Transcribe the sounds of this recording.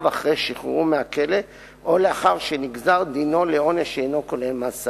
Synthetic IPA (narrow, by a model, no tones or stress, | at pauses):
vaχʁeʃiχʁumeakele̞ | ʔo̞leaχaʁʃeniɡzaʁd̪ino̞leo̞neʃeenokolemasa